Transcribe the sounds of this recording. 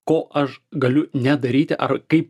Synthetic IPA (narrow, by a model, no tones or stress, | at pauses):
koːʔɐʃɡɐlʲʊnʲɛd̪ɐɾʲiːt̪ʲɪʔɐrkɐɪp